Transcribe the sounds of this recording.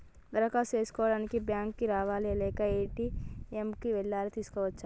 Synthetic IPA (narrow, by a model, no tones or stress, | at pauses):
d̪ɐɾɐkaseːskoːɖɐnkibjãːŋkːiɾaːʋaleːlekaeːʈiemkiʋelːaːɾt̪ʰiskaʋɐtːʃʰa